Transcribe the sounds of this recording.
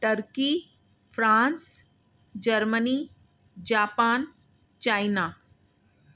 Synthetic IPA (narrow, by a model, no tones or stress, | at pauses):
ʈəɾki | fʰɾãːns | d͡ʒəɾməni | d͡ʒaːpaːn | t͡ʃaːjnaː